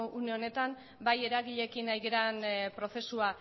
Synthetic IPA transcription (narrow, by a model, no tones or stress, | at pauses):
une̞o̞ne̞t̪am | baje̞ɾaɣiʎe̞kinajɣeɾanpɾo̞θe̞sua